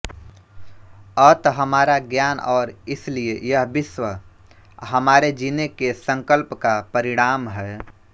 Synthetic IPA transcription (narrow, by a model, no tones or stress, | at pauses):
ət̪ɦəmaːɾaɡjanɔːɾɪsliejəɦbɪswə | ɦəmaːɾed͡ʒinekesə̃ŋkəlpkapəɾiɽ̃aːmɦɛe